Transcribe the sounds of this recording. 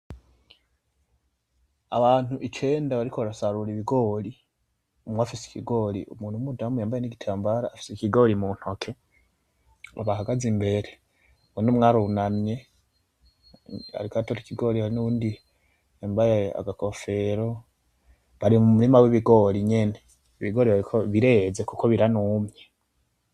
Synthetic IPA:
aβaːn̥uʔit͡ʃe̞ːndaβaɾikoβaɾasaɾuɾiβiɡo̞ːli | umwafise̥kiɡo̞ːlḭʔumuːn̥umudaːmujaːmbajeniɡitʰaːmbaɾaːfi̥sekiɡo̞ːɾimun̥ho̞kʰe̞ | a̰βaɦaɡazimbe̞ɾe | βunomŋaɾunamje̞ | a̰ɾikatoɾikiɡo̞ɾihaɾinuβuːndi | embajea̰ɡako̞fe̞ɾo | βaɾimumuɾimaweβiɡo̞ɾiɲene̞ | iβiɡo̞ɾiβaɾikʰoβiɾe̞zekukoβiɾanumɲe

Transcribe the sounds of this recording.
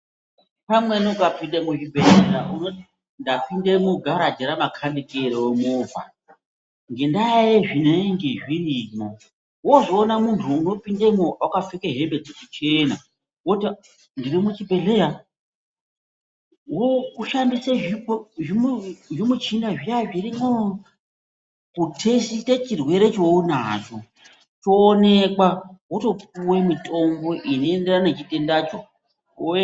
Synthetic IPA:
pamwenukapindemut͡ʃibʱelejauno | ndapindemuɡʱaɾadʱeɾamakʰandikeeɾewemoːvʱa̰ | ŋɡe̞ndaeʐineŋɡeʐirimo | wozoːnamuntʰuːno̞pindemuakafekeɦembed͡zet͡ʃit͡ʃena | woti | ndirimut͡ʃibʱe̞ɮeɦa | ɦokuʃamdiseʐioʐimuʐimut͡ʃinaʐiaʐirimo | kutʰesitet͡ʃirwe̞ɾe̞t͡ʃo̞unaːt͡ʃo̞ | t͡ʃoːne̞kwawoto̞puwemitʼo̞mbo̞ʔino̞enderanet͡ʃite̞ndat͡ʃo

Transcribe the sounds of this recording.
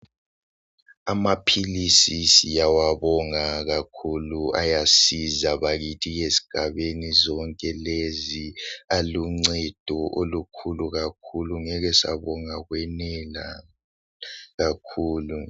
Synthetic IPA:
amapʰilisisijawaβɔŋaɣakʰulua̰jasizaβaɣitʰiɣesi̥ɡ̥ʱaβenizɔŋkʼɛlezialuŋ͡ǀɛd̥ʱɔʔolukʰuluɣakʰuluŋɛɣɛsa̰βɔŋaɣwɛnɛla̰ | ɣakʰuːlu

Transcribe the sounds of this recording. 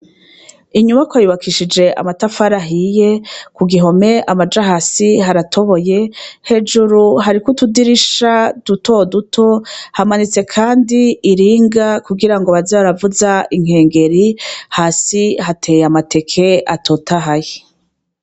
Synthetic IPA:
iɲumakwajuβakʰiʃid͡ʒe̞ʔa̰matafaɾaɦije̞kuɡiɦo̞me̞ʔamad͡ʒaɦasiɦaɾatʰo̞βo̞je̞he̞d͡ʒuɾuɦaɾikutudiɾiʃad̥uto̞dutʰo̞hamanit͡se̞kʰaːndiːɾiːŋɡakuɡiɾaŋɡoβazaβaɾavuzaiŋ̥he̞ːŋɡe̞ɾihaːsiɦatʰe̞jamate̞kʰe̞atʰo̞ːtʰaɦaje

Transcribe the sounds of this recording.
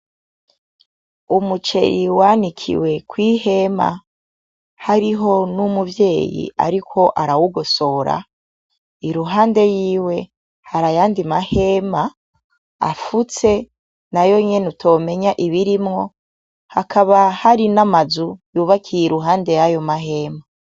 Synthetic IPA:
umut͡ʃe̞̰ɾiwaːnikʰḭwe̞kwiːhe̞ma̰ | haɾiɦo̞numuvje̞ːjḭa̰ɾikʰo̞ʔaɾawuɡoso̞ɾa̰ | iɾuɦaːnde̞jiːwe̞ | haɾajaːndimahe̞ma̰ː | fut͡se̞ | najo̞ɲe̞nutʰo̞ːme̞ɲaʔiβiɾimŋo̞ | hakʰaβahaɾinamazujuβakʰijiɾuɦaːnde̞jajo̞maɦe̞ːma

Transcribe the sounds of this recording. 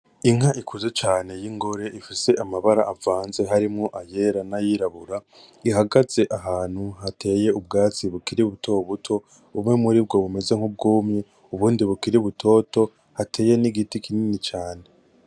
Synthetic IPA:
iŋaʔikʰuzet͡ʃaːne̞jiŋɡo̞ɾe̞ʔifise̞ʔamaβaɾaːvaːnze̞ɦaɾimŋo̞ʔaje̞ɾanajiɾaβuɾa | iɦaɡaz̥e̞ʔaɦaːn̥huɦate̞ːje̞ub̚ɡaːt͡siβukiɾiβutʰo̞βutʰo̞ | βumŋe̞muɾib̚ɡo̞βume̞ze̞ŋ̥ub̚ɡuːmɲe | uβuːndiβukiɾiβutʰo̞ːto̞ | hatʰe̞ːje̞niɡitikininit͡ʃaːne̞

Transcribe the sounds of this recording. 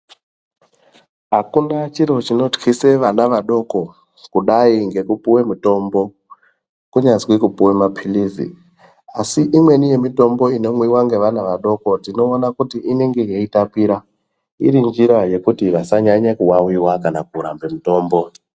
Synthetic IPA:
ɦakunat͡ʃiɾo̞t͡ʃino̞txise̞ʋanaʋaɗo̞ko̞ | kuɗaiŋɡe̞kupuwe̞muto̞mbo̞ | kuɲazwikupuwemapʰilizḭ | asiʔimwe̞nije̞mito̞mbo̞ino̞mwiwaŋɡe̞ʋanaʋaɗo̞ko̞dino̞ːnakutiʔine̞ŋɡe̞jeitapiɾa | ḭɾind͡ʒiɾaje̞kutiʋasaɲaɲakuwawiwakanakuɾa̰mbe̞muto̞ːmbo̞

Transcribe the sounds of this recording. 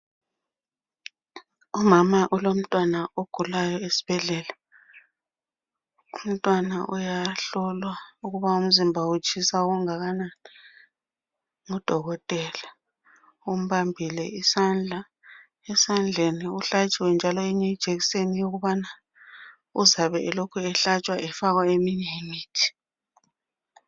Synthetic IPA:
umamaʔulom̩tʼwanaoɡ̥ʱulajɔesi̥b̥ʱɛɮɛla | um̩tʼwanaʔujaɬɔlwauɣuβaum̩zimbʱaut͡ʃʰʼisauɣuŋaɣanani | ŋɔd̥ʱɔɣɔtʼɛla | um̩βambʱilɛisand͡ɮʱa | ɛsand͡ɮʱeniuɬat͡ʃʼiwɛnd͡ʒʱalɔɛɲɛid̥ʒ̥ʱeɣisenijoɣuβana | uzaβɛʔɛlokʰuɛɬat͡ʃʼwaʔɛfaɣwaemiɲemiːtʰi̥

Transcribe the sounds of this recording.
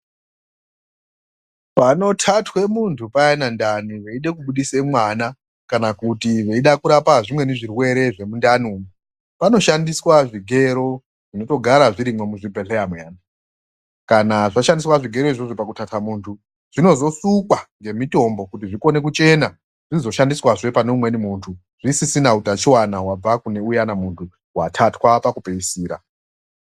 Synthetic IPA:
pano̞tʰatʰwe̞muntʰupajanandaniʋe̞iɗekuɓuɗise̞mwana | kanakutiʋe̞iɗakuɾapaʐimwe̞neʐirwe̞ɾe̞ʐe̞mundanumu | pano̞ʃandiswaʐiɡʱe̞ɾo̞ | ʐino̞to̞ɡʱaɾaʐiɾimwe̞muʐipeɬeamwana | kanaʐaʃandiswaʐiɡʱe̞ɾoiʐoʐopakutatʰamuːntʰu | ʐ̥ino̞zo̞sukwaŋɡe̞mito̞mbo̞kut̬iʐiko̞ne̞k̬ut͡ʃe̞na | ʐ̥inzo̞ʃandiswaʐe̞paneumwe̞nimuːntʰu | ʐ̥isisinautat͡ʃiwanawab͡vakune̞ujanamuntʰu | watʰatwapakupeisiːɾa̰

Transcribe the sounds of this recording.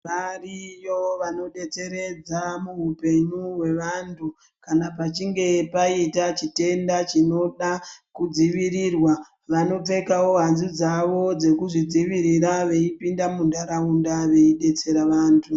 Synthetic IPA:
ʋarijo̞ʋano̞ɗe̞t͡se̞ɾe̞d͡zamuɦupe̞ɲuwe̞ʋantʰu | kanapat͡ʃiŋɡe̞paitat͡ʃite̞ndat͡ʃino̞ɗakud͡ziʋirirwa | ʋano̞p͡fe̞kawo̞ɦanzid͡zaʋo̞d͡ze̞kuʐid͡ziʋiɾiɾaʋe̞ipindamundaɾaundaʋe̞iɗe̞t͡se̞ɾaʋaːntʰu

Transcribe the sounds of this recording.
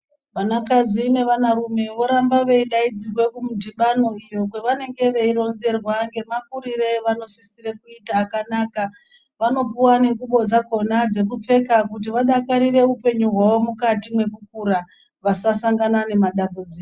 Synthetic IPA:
ʋanakad͡zine̞ʋanaɾume̞ʋo̞ɾambaʋe̞iɗaid͡zirwe̞kumudiɓano̞ijo̞k̬weʋane̞ŋɡe̞ʋe̞iro̞nze̞rwaŋɡe̞makuɾire̞ʋano̞sisire̞kuitaːkanaka | ʋano̞p̬uwane̞ɡuɓo̞d͡zako̞nad͡ze̞kup͡fe̞kakut̬iʋaɗakaɾire̞upe̞ɲuɦwawomukatimwe̞kuk̚uɾa | ʋasasaŋɡanane̞maɗambud͡ziːk

